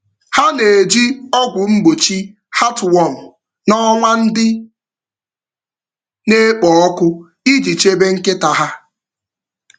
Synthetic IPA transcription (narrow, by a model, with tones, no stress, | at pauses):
ha˦ne˨e˨d͡ʒi˦ɔ˦ɡʷʊ˨m̩˦ɡ͡bo˨t͡ʃi˦ | ha˦twɔ˦˨n̩˨ | nɔ˦ŋʷa˦n̩˦dɪ˦ | ne˦k͡pɔ˨ɔ˦kʷʊ˦ | i˦d͡ʒi˨t͡ʃe˦be˦ŋ̩˦kɪ˦ta˨ɦa˦